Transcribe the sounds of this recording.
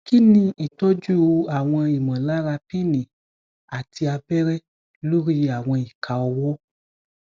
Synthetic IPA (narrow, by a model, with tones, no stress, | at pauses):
ki˦nĩ˧i˨tɔ˦d͡ʒu˦o˧a˨w̃ɔ̃˧i˨mã˨la˦ɾa˧pi˦nĩ˨ | a˨ti˧a˧bɛ˦ɾɛ˦ | lo˦ɾi˦a˨w̃ɔ̃˧i˨ka˨ɔ˧wɔ˦